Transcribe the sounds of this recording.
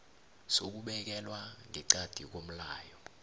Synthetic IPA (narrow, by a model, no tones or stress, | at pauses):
sok̬uɓɛk̬ɛlwaŋʱɛǀad̥ʱik̬om̩laːjɔ